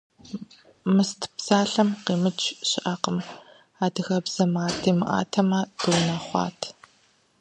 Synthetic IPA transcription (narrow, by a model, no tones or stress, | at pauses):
mɨstʰpsaːɬɐmqiːmɨt͡ʃʰʼɕɪʔɐqəm | aːdɨxɐbz̥ɐmaːtʰiːmɨʔa̰ːtʰɐmaːd̥ɨwnaːχʷɑ̰ːtʰ